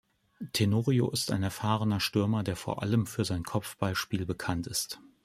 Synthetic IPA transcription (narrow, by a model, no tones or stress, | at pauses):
tʰenoːʁio̰ʔɪsta̰ɪnɛɐfaːʁənɐʃtʏɐmɐdeːɐfoːɐʔa̰ləmfyːɐzaɪnkʰɔpp͡fb̥aɪʃpiːlbəkʰantɪst